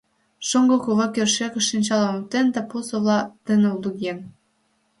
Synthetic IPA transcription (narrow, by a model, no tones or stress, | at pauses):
ʃoŋɡɤkuβɑkʲørʃekə̆ʃinʲt͡ɕɑlɑ̆mot̪ent̪æ̆pusŏβlɑt̪ə̆nĕuluɣʲen